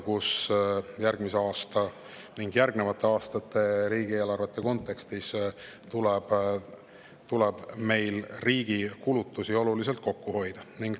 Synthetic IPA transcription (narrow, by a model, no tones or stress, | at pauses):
kusjæɾɡ̥mise̞ɑːst̪ɑ | niŋɡjærɡne̞vɑt̪ːˑe̞ɑːst̪ɑt̪ːˑe̞ɾiːɡ̥ieːlɑrvet̪ˑːe̞ko̞nt̪ːˑe̞kst̪is | t̪ulɛb̥ | t̪ulɛb̥me̞jlriːɡ̥ikulut̪ːˑusio̞lulis̬e̞lt̪̚ko̞kːuho̞jd̪̥ɑniŋɡ̥